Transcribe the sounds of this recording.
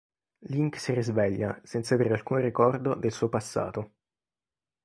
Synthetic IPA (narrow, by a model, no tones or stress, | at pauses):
liŋksirizvɛʎːasɛnt̪saveːɾealkuːnrikɔrd̪od̪elsuːopasːa̰ːt̪o